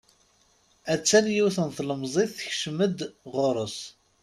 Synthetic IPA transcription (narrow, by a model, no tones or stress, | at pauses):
æt͡sːænjiwθənθləmzˤeθθçʃməd̪ʁoɾˤəs